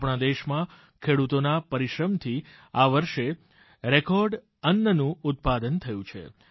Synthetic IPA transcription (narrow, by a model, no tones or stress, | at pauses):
pɳãd̪eʃmã | kʰeɽut̪onapəɾiʃɾəmt̪ʰiaʋəɾʃe | ɾekɔɾɖ | ənːənũʊt̪̚pad̪ənt̪ʰəjũt͡ʃʰḛ